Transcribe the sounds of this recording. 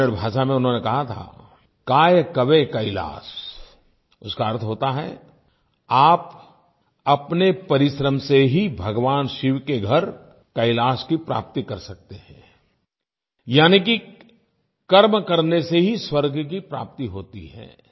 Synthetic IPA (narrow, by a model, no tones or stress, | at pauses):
əɾbʱaːʃamẽʊnɦõːnekɐɦat̪ʰa̰ː | kaːjəkɐʋekɐɪla̰ːs | ʊskaɐɾt̪ʰɦoːt̪aɦɛ̰ | aːp | ɐpnepɐɾɪʃɾəmseɦibʱɐɡʋaːnʃɪʋkeɡʱɐɾ | kɐɪlaːskipɾa̰ːp̚t̪ikɐɾsɐk̚t̪eɦɛ̃ː | jaːniki | kɐɾmkɐɾneseɦiswɐɾɡʱk̬ipɾa̰ːp̚t̪iɦoːt̪ḭɦɛ̰̃ː